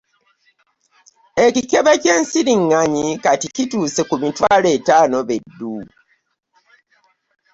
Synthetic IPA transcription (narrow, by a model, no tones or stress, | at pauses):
e̞cikeβece̞ːnsiɾiŋːaɲikaticituːsekumitwaːle̞ːtaːno̞βedːu